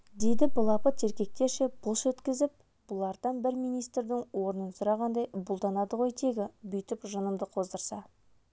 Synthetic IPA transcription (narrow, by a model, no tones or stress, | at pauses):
d̪e̞jd̪ɪbʊlˠɑpət̪ʰe̞ɾkʲe̞k̚t̪e̞ɾʃe̞b̥ʊlˠʃwɵt̪kʲɪzɪp̚ | b̥ʊlˠɑɾd̪ɑnbɪɾmijnijst̪ɾd̪ɪŋwo̞ɾnənsʊɾɑʁɑnd̪ɑjbʊlˠd̪ɑnɑd̪əʁo̞jt̪ʰe̞ɡʲɪbʏjt̪ɪpʒənəmd̪əqʰo̞zd̪əɾsɑ